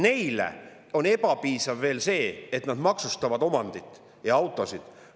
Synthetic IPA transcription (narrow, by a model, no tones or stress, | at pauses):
ne̞jlḛ | o̞ne̞pɑpiːsɑvːe̞ːlse̞ːet̪nɑd̪̥mɑksust̪ɑvɑd̪o̞mɑnd̪̥it̪ˑː | jɑɑwt̪ˑo̞sid̪̥